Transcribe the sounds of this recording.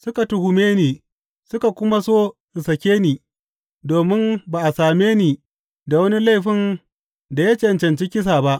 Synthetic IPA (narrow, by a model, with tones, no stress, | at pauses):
sʊ˦ka˨tʊ˦hʊ˨meː˦niː˨ | sʊ˦ka˨kʷʊ˦ma˦soː˦ | ɪ˨sɐ˨kʲeː˦niː˨ | doː˨mɪ˦mbaː˨ʔa˨saː˨meː˦niː˨ | da˨wɐ˦ni˦la˦jɸɪ˦n | da˨ja˦t͡ʃɛ˦˨nt͡ʃɐ˨nt͡ʃi˦kʲɪ˦s̬aː˨ba˦ʔ